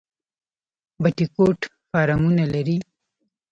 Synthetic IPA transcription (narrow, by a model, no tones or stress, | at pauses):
baʈikoʈ | fɑːɾamunalaɾi